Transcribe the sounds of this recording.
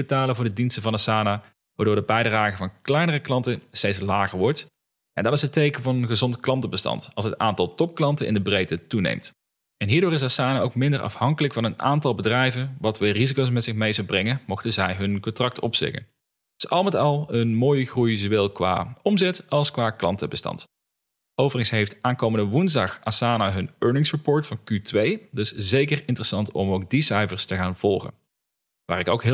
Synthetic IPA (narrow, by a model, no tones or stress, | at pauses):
bətaːlənvʊːɹdədinstəvɑnasaːna | ʋaːɹdʊːɹdəbɛjdraːɣəvɑnklɛjnərəklɑntəstejtslaːɣəɹʋɔɹt | ʔɛ̰ndɑtɪsɦətːejkənvɑnənɣəzɔntklɑntəbəstɑ̰ntɑ̰lˠsɦəta̰ːntɑlˠtɔp̚klɑntənʔɪ̰ndəbrejtətunḛjmt | ɛnɦiːɹdʊːɹɪs̬asaːnaʔowkmɪndərʔɑ̰fhɑŋkələkfɑnəna̰ːntɑlˠbədrɛjvənʋɑtʋɪːrizikows̬mɛtsɪxmejzəwbrɛŋəmɔχdəzɛjɦɵnkɔntrɑk̚tɔpsɪ̰kə̰n | sʔɑlˠmɛtɑlˠənmoːjəɣrujzoʋɛlˠkʋa̰ːɔmzɛtɑlˠskʋaːklɑ̰ntəbəstɑ̰nt | ʔowvərəŋsɦejftaːnkowməndəʋunzdɑxʔasaːnaɦɵnøːɹnɪŋsɹəpoːɹtfɑnkytʋejdɪszejkərɪntərəsɑntɔ̰mowk̚disɛjvəɹstəɣaːnv̥ɔlˠχə̰n | ʋa̰ːrɪko̰wkɦ